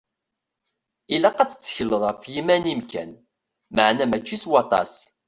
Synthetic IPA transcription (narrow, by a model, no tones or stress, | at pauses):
ilæqɑt͡sːə̥t͡sːə̥çəlːəðˤəfjimænimkæ̰n | məʕnæmæt͡ʃːiswɑt̪ˤɑ̰s